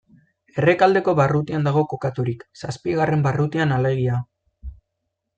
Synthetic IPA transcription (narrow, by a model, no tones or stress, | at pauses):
e̞re̞kald̪e̞ko̞βarut̪iand̪aɣ̞o̞ko̞kat̪uɾiksaspiɣare̞mbarut̪ianale̞ɣ̞ia